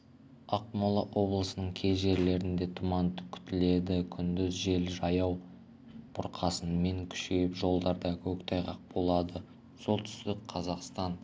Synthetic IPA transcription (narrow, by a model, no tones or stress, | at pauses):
ɑq̚mɑlˠəʔwʔo̞blˠəsənəɴkʲʰe̞zʒe̞ɾle̞ɾɪnd̪e̞t̪ʰʊmɑnt̪ə̥kʲʰʏ̥t̪ɪle̞d̪ɪkʲʰʏnd̪ʏzʒe̞lʒɑjɑw | b̥ʰʊɾqʰɑsənme̞ŋkʲʰʏ̥ʃe̞jɪpʒo̞lˠd̪ɑɾd̪ɑkʲʰɵkt̪ʰɑjʁɑq̚bo̞lˠɑd̪ə | so̞lˠt̪ʰʏ̥st̪ɪkqʰɑzɑqst̪ɑn